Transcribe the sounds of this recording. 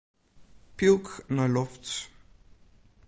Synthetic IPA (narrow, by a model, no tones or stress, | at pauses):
pilˠknalɔfts